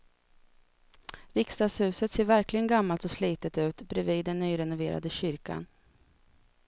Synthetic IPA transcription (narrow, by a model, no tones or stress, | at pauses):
ɾɪkst̪ɑːd̪shʉ̟ːsət̪seːɾvæɾklɪɡənɡamːalt̪ɔsliːt̪ət̪ʉ̟ːt̪bɾɛviːd̪ːɛnːyːɾɛnʊveːɾa̰d̪əɕʏɾka̰n